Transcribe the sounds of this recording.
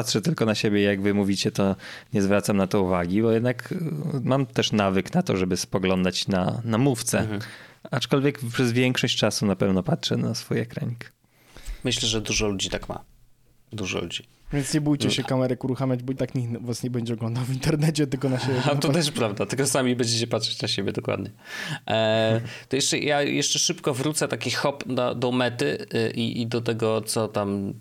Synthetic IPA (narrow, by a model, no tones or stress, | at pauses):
patʂɛt̪ɘlkɔnaɕebʲjɛijaɡvɘmuvʲit͡ɕɛt̪ɔɲɛzvɾat̪samnat̪ɔuvaɡʲibɔjɛd̪nakmamt̪ɛʂnavɘknat̪ɔ̰ʐɛbɘspɔɡlɔnd̪at͡ɕna̰namuft̪sɛ̰ | at͡ʂkɔlvʲjɛkpʂɛzvʲjɛŋkʂɔɕt͡ɕt͡ʂasunapɛvnɔpatʂɛnasfujɛkɾa̰ɲik | mɘɕlɛʐɛd̪uʐɔlud͡ʑit̪akma̰ | d̪uʐɔ̰lṵd͡ʑi | vʲjɛnt̪sɲɛbujt͡ɕɛɕɛkamɛɾɛkuɾuxamʲjad͡ʑbɔit̪akɲivwasɲɛbɛɲd͡ʑɛɔɡlɔnd̪awvʲint̪ɛɾnɛt͡ɕɛt̪ɘlkɔnaɕɛat̪ɔt̪ɛʂpɾavd̪at̪ɘlkɔsamʲibɛɲd͡ʑet͡ɕɛpat̪ʂɛt͡ɕnaɕebʲɛd̪ɔkwa̰d̪ɲɛ | t̪ɔjɛʂt͡ʂɛjajɛʂt͡ʂɛʂɘpkɔvɾut̪sɛt̪akʲixɔpd̪ɔ̰d̪ɔmɛt̪ɘʔḭʔid̪ɔt̪̬ɛɡɔt̪sɔt̪am